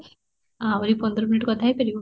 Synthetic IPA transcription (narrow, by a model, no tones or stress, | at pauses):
ãʋɾipənd̪ɾɔminiʈkəd̪ʰʱajpeɾi